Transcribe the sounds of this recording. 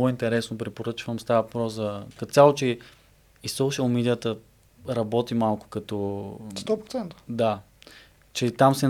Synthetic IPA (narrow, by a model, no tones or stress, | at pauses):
oint̪ɛɾɛsnopɾɛpoɾɤt͡ʃvəmst̪avəvɐpɾɔszɐkɐt̪t̪ʲjalˠot͡ʃɛ | isːoʊʃəlˠmɛd̪ijət̪ə | ɾɐbɔt̪imalˠkʊ̥kɐt̪ɔt̪ɔpɾot̪sɛnt̪ə̥d̪a | t͡ʃɛt̪amsɛn